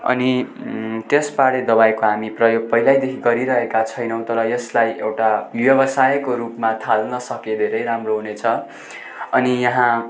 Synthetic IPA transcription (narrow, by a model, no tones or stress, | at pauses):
ʌ̰ni | t̪espaɽed̪ʌbajkoɦamiprʌjoɡ̚pʌɦilajd̪ekʰiɡʌɾiɾʌɦekat͡sʰʌjnʌw̃t̪ʌɾʌjʌslajewʈawjʌbʌsajkoɾupmat̪ʰalnʌsʌked̪ʱeɾʌjɾamroɦunet͡sʰʌ | ʌnijʌɦã